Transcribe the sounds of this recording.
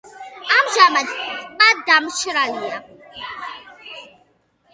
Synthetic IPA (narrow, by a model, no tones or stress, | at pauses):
amʒamadmadamt͡ʃʰɪɾalja